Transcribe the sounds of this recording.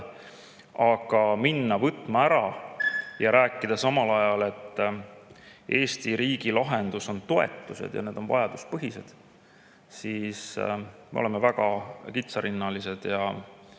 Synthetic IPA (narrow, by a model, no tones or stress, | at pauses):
ɑɡ̥ɑminːɑvɤt̪ːˑmɑæɾɑ | jɑɾʔæːkːˑid̪̥ɑsɑmɑlɑjɑle̞t̪ː | ʔe̞ːst̪iɾiːɡ̥ilɑɦe̞nd̪̥uso̞nt̪o̞e̞̰t̪ˑːuse̞̰d̪̥jɑ̰ne̞ːd̪o̞nvɑ̰jɑd̪̥uspɤɦise̞d̪̥ | siːsmḛolemevæɡ̥ɑkit̪sɑɾinːɑlise̞d̪̥jɑ